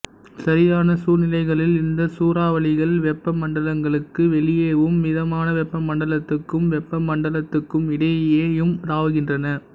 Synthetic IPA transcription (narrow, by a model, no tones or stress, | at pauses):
sɐɾɪjaːnɐsuːnɪlɐɪɣɐɭɪlɪnd̪ɐsuːɾaːʋɐɭɪɣɐɭʋɛpːɐmɐɳɖɐlɐŋɡɐɭɯkːɯʋɛɭɪjeːʋɯmːɪðɐmaːnɐʋɛpːɐmːɐɳɖɐlɐt̪ːɯkːɯmʋɛpːɐmːɐɳɖɐlɐt̪ːɯkːɯmɪɽɐjjeːjɯmɾaːʋɯɣɪndrɐnɐ